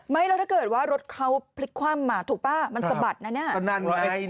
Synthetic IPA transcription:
ma˦˥˩jlɛ˦˥t̪ʰaː˥˩kɤː˨˩t̪̚waː˦˥˩ɾo˦˥t̪̚kʰa˦˥wpʰli˦˥kʰːwaː˥˩mːaː˧˩t̪ʰuː˨˩k̚paː˥˩ma˧nssa˧ba˨˩t̪̚na˦˥na˦˥ɐ˧na˧˩na˦˧˦

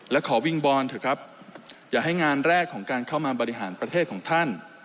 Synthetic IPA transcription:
lɛ˦˥wkʰɔː˩˦wi˧ŋbɔː˧nt̪ʰa˨˩kʰɾa˦˥p̚ | jaː˨˩ɦa˥˩jŋaː˧nɾɛː˥˩kʰːɔː˩˦ŋkaː˧nkʰa˥˩wmaː˧bɔː˧ɾi˦˥ɦaː˩˦npɾa˧t̪ʰeː˥˩kʰɔː˩˦ŋt̪ʰa˥˩n

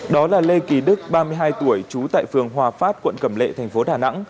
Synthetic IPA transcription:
ɗɔ˨˦laː˨˩le˧ki˨˩ɗɨ˦˥k̚ɓaː˧mɨ˧əjɦaː˧jt̪u˧˩əjt͡ɕu˨˦t̪a̰ː˧˨jfɨ˨˩əŋɦwaː˨˩faː˦˥t̚kwə̰˧˨nkə˧˩mlḛ˧˨t̪ʰɛ˨˩jŋ̟fo˨˦ɗaː˨˩na̰˧˥ŋ

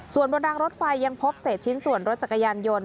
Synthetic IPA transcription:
su˨˩ənbo˧ndaː˧ŋɾo˦˥t̪̚fa˧jːa˧ŋpʰo˦˥p̚seː˨˩t̪̚t͡ɕʰi˦˥nsu˨˩ənɾo˦˥t̪̚t͡ɕa˨˩kːa˧jaː˧njo˧n

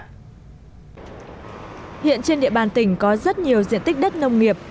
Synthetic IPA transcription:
hḭ˧˨ənt͡ɕe˧nɗḭ˧˨əɓaː˧˩nt̪ï˧˩ŋ̟kɔ˨˦zə˦˥t̚ɲi˨˩əwzḭ˧˨nt̪i˦˥k̟̚ɗə˦˥t̚nə˧wŋ͡mŋi˨˩əp̚

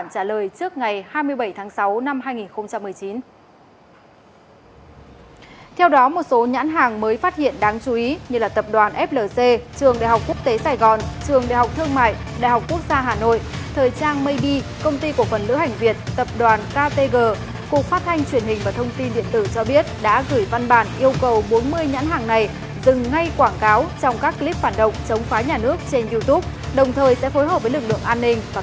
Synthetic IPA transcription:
nt͡ɕaː˧˩ləː˨˩jt͡ɕɨ˦˥ək̚ŋa˨˩jhaː˧jmɨ˧əjɓə˧˩jt̪ʰaː˨˦ŋsa˨˦wna˧mɦaː˧jŋi˨˩nxə˧wŋ͡mt͡ɕa˧mːɨ˨˩əjt͡ɕi˨˦n | t̪ʰɛ˧wɗɔ˨˦mo˨˩t̚so˨˦ɲa̰ː˧˥nɦaː˨˩ŋməː˨˦jfaː˦˥t̚hḭ˧˨ənɗaː˨˦ŋt͡ɕu˨˦ʔi˨˦ɲɨ˧laː˨˩t̪ə˨˩p̚ɗwaː˨˩nʔɛ˦˥p̚ləː˨˩se˧t͡ɕɨ˨˩əŋɗa̰ː˧˨jɦhwk͡p̚ku˦˥ək̚t̪e˨˦saː˧˩jɣɔ˨˩nt͡ɕɨ˨˩əŋɗa̰˧˨jɦa˨˩wk͡p̚t̪ʰɨ˧əŋma̰ː˧˨jɗa̰˧˨jɦa˨˩wk͡p̚ku˦˥ək̚zaː˧ɦaː˨˩no̰˧˨jʔt̪ʰəː˨˩jt͡ɕaː˧nmə˧jɗi˧kə˧wŋ͡mt̪i˧ku˧˩əfə˨˩nlɨ̰˧˥ha˨˩jŋ̟vi˨˩ət̚t̪ə˨˩p̚ɗwaː˨˩nkaː˧t̪e˧ɣəː˧˩ | ku˨˩ək̚faː˦˥t̚t̪ʰa˧jŋ̟t͡ɕwi˧˩ənhï˨˩ŋ̟vaː˨˩t̪ʰə˧wŋ͡mt̪i˧nɗḭ˧˨ənt̪ɨ˧˩t͡ɕɔ˧ɓi˦˥ət̚ɗa̰ː˧˥ɣɨ˧˩jva˧nɓaː˧˩nʔi˧əwkə˨˩wɓo˨˦nmɨ˧əjɲa̰˧˥nɦaː˨˩ŋna˨˩j | zɨ˨˩ŋːa˧jkwaː˧˩nkaː˨˦wt͡ɕɔ˧wŋ͡mkaː˦˥kːli˦˥p̚faː˧˩nɗə̰˨wŋ͡mt͡ɕə˨˦wŋ͡mfaː˨˦ɲaː˨˩nɨ˦˥ək̚t͡ɕe˧nzi˧t̪u˦˥p̚ | ɗə˨˩wŋ͡mt̪ʰəː˨˩jsɛ̰˧˥fo˨˦jhɦəː˨˩p̚vəː˨˦jlɨ˨˩k̚lɨ̰˧˨əŋʔaː˧nːï˧ŋ̟vaː˨˩

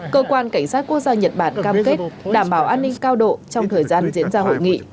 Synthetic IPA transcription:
kəː˧kwaː˧nka˧˩jŋ̟saː˦˥t̚ku˦˥ək̚zaː˧ɲə˨˩t̚ɓaː˧˩nkaː˧mke˦˥ɗaː˧˩mɓaː˨˦wʔaː˧nːï˧ŋ̟kaː˧wɗo̰˧˨t͡ɕɔ˧wŋ͡mt̪ʰəː˨˩jzaː˧nzḭ˧˥ənzaː˧ho̰˧˨jŋḭ˧˨

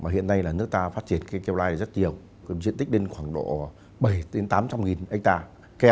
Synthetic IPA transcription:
maː˨˩ɦḭ˧˨ənːa˧jlaː˨˩nɨ˦˥ək̚t̪aː˧faː˦˥t̚t͡ɕi˧˩ənkaː˨˦jkɛ˧wlaː˧jɗzə˦˥t̚ɲi˨˩ə˩w | zḭ˧˨nt̪i˦˥k̚ɗi˧ŋ̟xwaː˧˩ŋɗo̰˧˨ | ɓə˨˩jɗe˨˦nt̪aː˨˦mt͡ɕa˧mŋi˨˩nʔk̚t̪aː˧ | kɛ˧

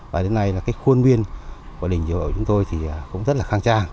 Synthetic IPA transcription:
vaː˨˩ɗe˨˦nːa˧jlaː˨˩kaː˨˦jxu˧ənɓi˧ənku˧˩ɗï˨˩ŋ̟zi˧˩˦əː˧˩t͡ɕʊ˨˦ŋ͡mt̪o˧jt̪ʰi˨˩aː˨˩kʊ̰˧˥ŋ͡mzə˦˥t̚laː˨˩xaː˧ŋt͡ɕaː˧ŋ

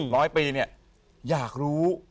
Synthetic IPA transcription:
ɾɔː˦˥jpiː˧ni˥˩ɐ | jaː˨˩k̚ɾuː˦˥

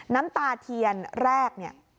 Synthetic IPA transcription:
na˦˥mt̪aː˧t̪ʰi˧ənɾɛː˥˩k̚ni˥˩ɐ

